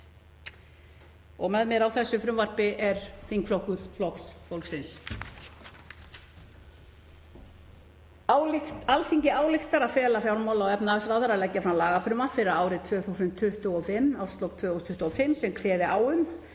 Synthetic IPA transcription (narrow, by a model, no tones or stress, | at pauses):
ɔɣmɛðmɛɾawθɛsːʏfɾʏmvaɾ̥pɪʔɛɾ̥θiŋkflɔhkʏɾ̥flɔksfowlksɪns | alθiɲcɪaːwlɪxt̪aɾaðfɛːlafjawlmawlaɔwɛpnaasɾawðaɾaðlɛcːafɾamlaːɣafɾʏmaɾfɪɾaaːwɾɪt̪ʰvœːθusʏnt̪ʰːʏht̪ʏɔfɪmːawst̪lɔkt̪ʰvœːɣɔst̪ʰʏht̪ʏɔfɪmsɛmkʰvɛːðɪʔaːwʏm